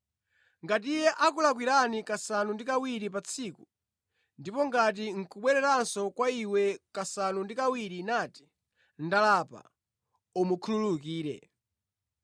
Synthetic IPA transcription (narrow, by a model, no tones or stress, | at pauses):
ŋɡat̬ijɛʔakulak̬wiɾanikasanundikawiɾipat͡sʰiku | ndipɔŋɡat̬iŋ̩kuɓwɛɾɛɾansɔkwaiwɛkasanundikawiɾinati̥ | n̩dalapa̰ | umukʰunululuk̬iːɾɛ̰